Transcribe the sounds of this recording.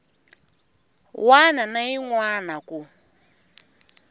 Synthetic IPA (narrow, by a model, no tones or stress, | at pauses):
wananaiŋwanaku